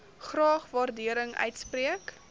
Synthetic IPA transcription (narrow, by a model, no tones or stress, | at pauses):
χrɑːχvɑrdiəɾəŋœ̰ɥtspriək